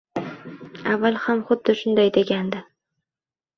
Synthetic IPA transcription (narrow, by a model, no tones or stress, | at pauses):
avːalˠhamχʊd̪ːɪʃʊnd̪ajd̪e̞ɡʲand̪ɪ